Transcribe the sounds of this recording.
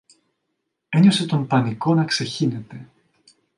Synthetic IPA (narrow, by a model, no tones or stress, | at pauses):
e̞ɲo̞se̞t̪o̞mpɐniko̞nɐkse̞çine̞t̪e̞